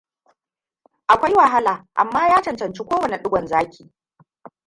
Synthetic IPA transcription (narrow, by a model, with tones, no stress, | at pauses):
ʔa˨kʷa˦jwa˨ɦa˦laː˨ʔa̰˨mːaː˦jaː˦t͡ʃɐ˨nt͡ʃɐ˨nt͡ʃi˦kʷoː˦wɐ˨ne˨ɗʊ˦ɡʷɔ˨nzaː˦kʲʰiː˨